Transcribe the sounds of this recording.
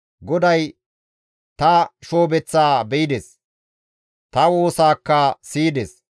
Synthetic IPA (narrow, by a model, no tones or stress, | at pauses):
ɡɔd̪ɐj | t̪ɐʃo̞ːbɛt͡sːaːbɛjɪd̪es | t̪ɐwo̞ːsaːkːɐsiːd̪ɛs